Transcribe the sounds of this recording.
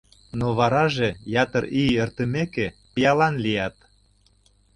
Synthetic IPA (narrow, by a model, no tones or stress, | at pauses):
noβɑɾɑʒejɑt̪əɾiert̪ə̆mekepijɑlɑnlijɑt̪̚